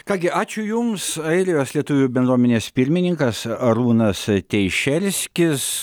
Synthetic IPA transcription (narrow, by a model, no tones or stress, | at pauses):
kɑːɡʲɪʔɑːt͡ʃʲʊjʊmsɐɪɾʲɪjoːslʲiɛt̪ʊʋʲʊbʲɛnd̪ɾuɔmʲɛnʲeːspʲɪɾʲmʲɪnʲɪŋkɐsɐɾuːnɐst̪ʲɛɪʃʲɛlʲsʲkʲɪs